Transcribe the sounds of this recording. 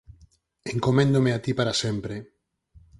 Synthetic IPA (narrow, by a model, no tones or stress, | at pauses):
eŋkomẽnd̪omeat̪ipaɾasempɾe